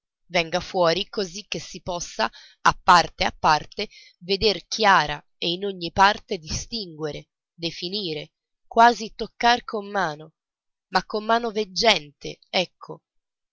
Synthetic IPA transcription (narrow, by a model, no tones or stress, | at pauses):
vɛŋɡafwɔːɾikozik̟ːesːipɔsːa | apːart̪eapːart̪e | ved̪erkʰjaːɾa̰ | einoɲːipart̪ed̪ist̪iŋɡweɾe | d̪efiniːɾe | kwaːzit̪okːarkʰomːaːno | makːomːaːnoved͡ʒːɛnt̪ʰḛɛkʰːo